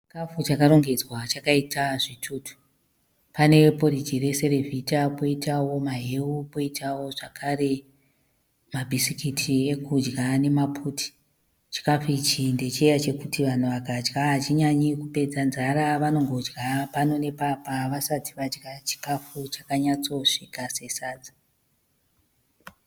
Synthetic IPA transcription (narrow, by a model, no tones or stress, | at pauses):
t͡ʃikafut͡ʃakaɾo̞ŋɡe̞d͡zwat͡ʃakaitʰaʐitʰuːtu̥ | pane̞po̞rid͡ʒire̞se̞ɾe̞vʱitapo̞itawo̞maɦeupo̞itawo̞ʐakʰare̞ | mabʱisikitʰiekud͡ʒɡane̞mapʰutʰi̥ | t͡ʃi̥kafuit͡ʃinde̞t͡ʃiejat͡ʃe̞kutiʋan̤uʋakad͡ʒɡaɦat͡ʃiɲaɲikupe̞d͡zanzaɾaʋano̞ŋɡo̞d͡ʒɡapano̞ne̞papaʋasatʰiʋad͡ʒɡat͡ʃi̥kafut͡ʃakaɲat͡so̞ʂikase̞saːd͡za